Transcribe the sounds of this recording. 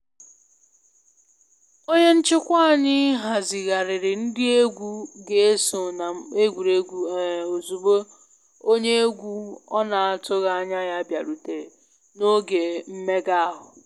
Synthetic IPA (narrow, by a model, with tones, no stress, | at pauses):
o˦ɲe˦n̩˦t͡ʃɪ˦kʷa˦˨ɲɪ˦ɦa˨zɪ˨ɣa˨ɾɪ˨ɾɪ˨n̩˦dɪ˦e˦ɡʷu˦ɡe˨e˦so˨na˨e˦ɡʷu˨ɾe˦ɡʷu˨o˨zu˨bo˦ | o˦ɲe˦e˦ɡʷu˦ɔ˦na˨a˨tʊ˦ɣa˦a˦ɲa˦ja˦bja˨ɾu˨te˨ | no˦ɡe˨m̩˦me˦ɡa˦a˦ɦʊ˨